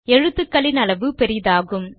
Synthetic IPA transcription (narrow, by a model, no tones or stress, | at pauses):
ɛɻɯt̪ːɯkːɐɭɪnɐlɐʋɯpɛɾɪjðaːɣɯm